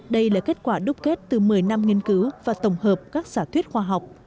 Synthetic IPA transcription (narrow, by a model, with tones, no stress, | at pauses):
ɗə˧jlaː˨˩ke˦˥t̚kwaː˧˩ɗʊ˦˥p̚ke˦˥t̚t̪ɨ˨˩mɨ˨˩əjna˧mŋi˧ənkɨ˨˦wvaː˨˩t̪ə˧˩wŋ͡mɦəː˨˩p̚kaː˦˥k̚saː˧˩t̪ʰwi˦˥ət̚xwaː˧ɦa˨˩wk͡p̚